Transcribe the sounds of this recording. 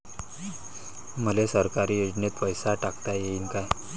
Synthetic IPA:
m̤əlesəɾkaɾiːjud͡ʑnet̪pəjsaʈakt̪ajeiːnkaj

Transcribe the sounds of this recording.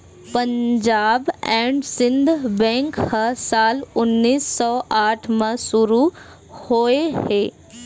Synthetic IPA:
pɐ̃ɲd͡ʒaːbɛ̃ːɳɖsɪ̃nd̪ʱbɛ̃ːŋkhɐsaːlʊnːiːsːɔːʔaːʈʰmə̃sʊɾu | hoːeheː

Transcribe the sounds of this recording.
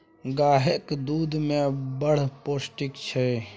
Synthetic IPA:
ɡaːɦekd̪uːd̪mẽbəɽ̤posʈikt͡ʃʰɛ

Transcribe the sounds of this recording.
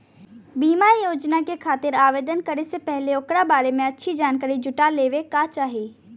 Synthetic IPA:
biːmajoːd͡ʒnakekʰaːt̪ɪɾaːʋeːd̪ənkɐɾesepɛɦleʊkɾabaːɾemẽɐtːʃʰid͡ʒaːnkaːɾid͡ʒʊʈaleːʋekaːt͡ʃaːɦiː

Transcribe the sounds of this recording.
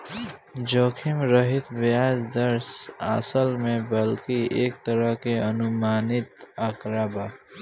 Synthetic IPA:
d͡ʒoːkʰɪmɾəɦɪt̪beaːd͡ʒd̪əɾsa̰səlmẽbəlkieːk̚t̪əɾəɦkeənʊmaːnɪt̪əkɾabaː

